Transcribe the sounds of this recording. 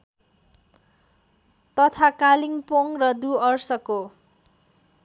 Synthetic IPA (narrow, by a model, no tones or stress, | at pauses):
t̪ʌt̪ʰakaliŋpoŋrʌd̪uʌrsʌko